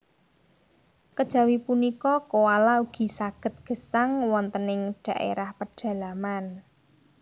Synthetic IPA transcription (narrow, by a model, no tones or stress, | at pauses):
kəd̥ʒ̥ä̤wipunikɔkowalauɡ̥i̤saɡ̥ə̤t̪̚ɡ̥ə̤saŋwɔnt̪ənɪŋɖ̥ä̤ʔḛɾahpəɖ̥ä̤laman